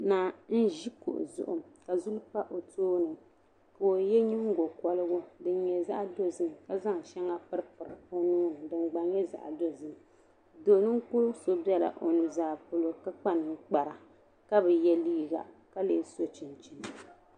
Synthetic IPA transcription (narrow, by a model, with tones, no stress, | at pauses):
na˨n̩˦ʒi˦kṵ˨ʔʊ̰˨zʊ̰˦˨ʔʊ̰˨ka˨zu˦lpa˦ʔo˨toː˦nɨ˨ | ka˨o˨jɛ˦ɲi˦ŋ˦ɡo˨kɔ˦lɨ˦ɡʊ˦dɨ˨n˦ɲɛ˨za̰˦ʔdo˦zɨ˦mka˦za˦ŋ˨ʃɛ˦ŋa˦pɨ˦ɾɨ˦pɨ˨ɾo˦nuː˦n˨dɨ˨ŋ͡mɡ͡ba˨ɲɛ˦za̰˨ʔdo˦zɨ˨m˨ | do˨˦nɨ˦ŋ˦ku˦so˦bjɛ˦la̰˨ʔo˨nu˨zaː˨po˦˨lo˦ka˦k͡pa˦nɨ˨ŋ˦k͡pa˨ɾa˨ | ka˦bɛ˨jɛ˦liː˦ɡa̰˨ | ka˦leː˦˨so˦t͡ʃi˨nt͡ʃi˨n˨